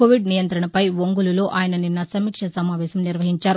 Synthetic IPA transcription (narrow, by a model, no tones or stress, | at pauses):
koːʋiɖnijɐnt̪ɾɐɳɐpɐjʋoŋɡululo̞ːʔaːjɐnɐninːɐsɐmiːkʂɐsɐmaːʋɛːɕɐmniɾʋɐɦiɲt͡ʃaːɾu